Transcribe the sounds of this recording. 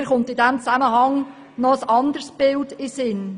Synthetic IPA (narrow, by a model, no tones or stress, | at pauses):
ɾχʊntɪdɛmt͡sæməɦɑŋ | nɔəsɑnd̪ərsb̥ɪldɪsɪn